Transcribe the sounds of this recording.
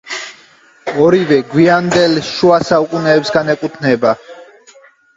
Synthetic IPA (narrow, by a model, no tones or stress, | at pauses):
ɔɾivɛɡwiand̪ɛlʃuasaukʼunɛːpsɡanɛkʼut̪ʰnɛba